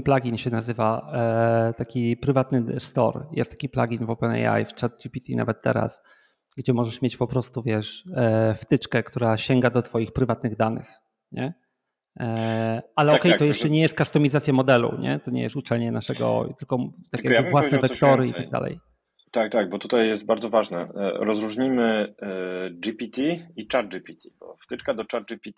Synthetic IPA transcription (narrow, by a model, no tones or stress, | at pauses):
plaɡʲinɕɛnazɘva | t̪akʲipɾɘvat̪nɘst̪ɔ̰ɾjɛ̰st̪ːḁkʲiplaɡʲinvɔpɛnɛ̰ja̰jft͡ʂat̪̚d͡ʑipʲit̪ina̰vɛt̪ːɛ̰ɾa̰s | ɡd͡ʑɛmɔʐɛʂmʲet͡ɕpɔpɾɔst̪uvʲjɛʂft̪ɘt͡ʂkɛkt̪uɾaɕɛŋɡad̪ɔt̪fɔjixpɾɘvat̪nɘɣd̪anɘ̰x | ɲɛ | alɛɔkɛjt̪jɛʂɛɲɛjɛst̪kast̪ɔmʲizat̪sʲjamɔd̪ɛlṵɲɛ̰t̪ɔɲɛ̰jɛ̰st̪ut͡ʂɛlɲɛnaʂɛɡɔ̰t̪ɘlkɔt̪ak̪ʲjjavvwasnɛvɛkt̪ɔɾɘḭt̪aɡd̪a̰lɛ̰j | t̪ak̚t̪aɡ̚bɔt̪ut̪ajːɛst̪̚baɾd̪zɔvaʐnɛ̰ɾɔzɾuʐɲimɘ | d͡ʐipʲit̪ʲiit͡ʂaɾd͡ʒipʲit̪ʲibɔ̰ft̪ɘt͡ʂkad̪ɔt͡ʂaɾd͡ʒipʲit̪